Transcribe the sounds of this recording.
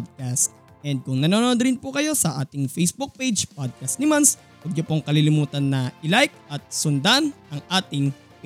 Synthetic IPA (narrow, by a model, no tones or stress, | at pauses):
d̪̚kast̪̚ | ʔɛnd̪̚kʊŋnɐnonʔod̪ɾɪnpʊkɐjo̞sɐʔaːt̪ɪŋfɛjsbuk̚pejd͡ʒpod̪̚kɐst̪nɪmans | wɐɡ̚ɲopoŋkɐlilɪmuːt̪ɐnːɐʔɪlajk̚ɐt̪̚sʊnd̪anʔɐŋʔaːt̪ɪŋ